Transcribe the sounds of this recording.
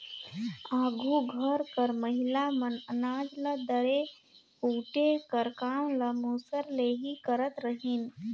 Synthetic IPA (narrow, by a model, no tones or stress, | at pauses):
aːɡʱuɡʱəɾkəɾməɦɪlamənənaːd͡ʒləd̪əɾe | puːʈekəɾkaːmləmuːsəɾleːɦikəɾət̪ɾəɦin